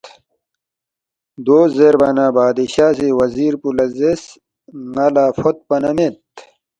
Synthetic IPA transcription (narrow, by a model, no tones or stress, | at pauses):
d̪oːzeɾbɐnaːbaːd̪iɕaːsewɐziːɾpulɐzes | ŋɐlaːfot̪̚pɐnɐmet̪